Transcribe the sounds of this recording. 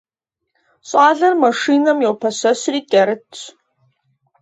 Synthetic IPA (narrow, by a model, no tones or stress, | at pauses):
ɕʼaːɮɐrmɐʂinɐmjewpʰɐɕɐɕriːtʲʼɐɾɨtʰt͡ɕʰ